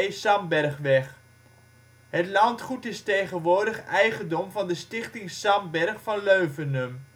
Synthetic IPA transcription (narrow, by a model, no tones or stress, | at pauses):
sɑmbɛrχʋɛχ | ɦətlɑntχutɪstejχənʋʊːɹdəχɛjχəndɔmvɑndəstɪχtɪŋsɑmbɛrχfɑnløɥvənəm